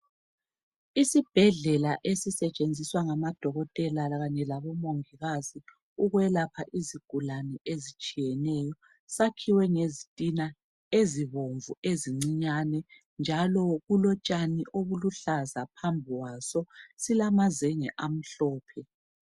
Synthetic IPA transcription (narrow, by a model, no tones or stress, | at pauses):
isib̥ʱɛɮɛlaʔesisɛt͡ʃʼend͡zʱiswaŋamad̥ʱɔɣɔtʼɛlaɣaɲɛlaβɔmoŋiɣazi | uɣwɛlapʰaʔiziɡ̥ʱulanɛʔezit͡ʃʼijɛnɛːjɔ | sakʰiwɛŋezitʼina | eziβoɱvueziŋ͡ǀiɲanɛ | nd͡ʒʱalɔɣulɔt͡ʃʼaniʔoβuluɬazapʰambʱiwasɔsilamazɛŋɛʔam̩ɬɔːpʰɛ